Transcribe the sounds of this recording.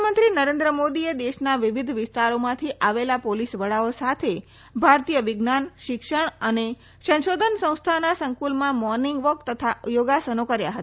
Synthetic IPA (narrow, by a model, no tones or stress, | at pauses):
mənt̪ɾinəɾẽnd̪ɾəmod̪ied̪eʃnaʋiʋid̪ʱʋɪst̪aɾomãt̪ʰiʔaʋelapolisʋəɭaosat̪ʰe | bʱaɾt̪ijəʋɪɡnanʃɪkʂəɳ̃əne | sə̃nʃod̪ʱənsə̃w̃st̪ʰanasə̃ŋkulmãmɔɾniŋɡʋəɾkt̪ət̪ʰajoɡasənokəɾja̰ɦət̪a